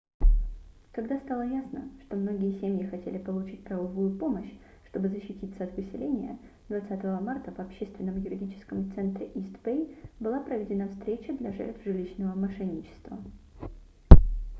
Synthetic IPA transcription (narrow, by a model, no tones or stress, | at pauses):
kɐɡd̪ast̪alˠəjasnə̰ʂt̪o̞mno̞ɡʲɪjəsʲemjɪxɐtʲelʲɪpəlˠʊt͡ɕit̚ʲpɾɐvɐvujʊpo̞məɕ | ʂt̪o̞bɨzəɕːɪtʲit̪səɐt̪vɨsʲɪlʲenʲɪjə̰ | d̪vɐt̪sat̪əvəmart̪əvɐpɕːest̪vʲɪnːəmjʊɾʲɪdʲit͡ɕɪ̥skəmt̪sɛnt̪ɾʲɪʔist̪pejbɨlˠapɾəvʲɪdʲɪnafst̪ɾʲet͡ɕəd̪lʲɐʐɛ̰rt̪v̥ʐɨlʲiɕnəvəmɐʂɛnʲːɪt͡ɕɪ̥st̪və̰